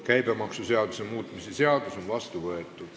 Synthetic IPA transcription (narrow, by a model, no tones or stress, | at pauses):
kæjbemɑksuseɑd̪̥usemuːt̪ˑmiseseɑd̪uso̞nvɑst̪uvɤet̪ːˑu̥